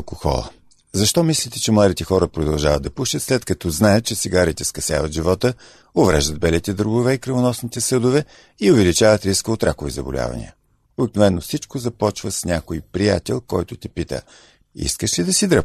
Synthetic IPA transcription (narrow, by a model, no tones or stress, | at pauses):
lˠkoxɔ̰lˠə̰ | zɐʃt̪ɔmislit̪ɛt͡ʃɛmlˠad̪it̪ɛxɔɾəpɾod̪ɐlˠʒavəd̪ɐpuʃt̪ət̪slɛt̪kɐt̪ɔznajət̪̚t͡ʃɛsiɡaɾit̪ɛskɐsʲja̰vət̪ʒivɔt̪ə | ovɾɛ̰ʒd̪əd̪̚bɛlit̪ɛd̪ɾoɡʊvɛikɾəvonɔsnit̪ɛsɤd̪ʊvɛ | iovɛlit͡ʃavət̪ɾiskəot̪ɾakʊvḭzɐbʊ̰lʲa̰vɐ̰nḭə̰ | obiknovɛnːofsit͡ʃkozɐpɔt͡ʃvəsnʲakoipɾija̰t̪ɛlˠkɔjt̪ʊt̪ɛpit̪ə̰ | ḭskəʃlid̪ɐsid̪ɾəp